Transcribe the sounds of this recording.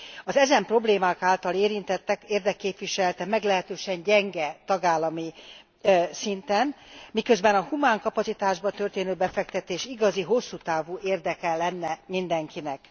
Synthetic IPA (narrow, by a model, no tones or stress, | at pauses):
ɒzɛzɛmpro̞bleːmaːkaːlt̪ɒleːɾint̪ɛt̪ːɛkeːrd̪ɛkːeːpʋiʃɛlɛt̪ɛmɛɡlɛɦɛt̪øːʃɛɲɟɛŋɡɛt̪ɒɡaːlːɒmi | sint̪ɛnmikø̞zbɛnɒhumaːŋkɒpɒtsit̪aːʒbɒt̪ø̞rt̪eːnøːbɛfɛk̚t̪ɛt̪eːʃiɡɒziɦo̞sːuːt̪aːvuːʔeːrd̪ɛkɛlɛnːɛmind̪ɛŋkinɛk